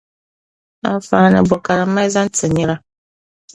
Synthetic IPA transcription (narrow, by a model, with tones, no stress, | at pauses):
a̰˦fa˦nə̰˨bɔ˨ka˨ɾa˨˦ma˦jza˦n˦t͡sɨ˨ɲɛ˦ɾa˦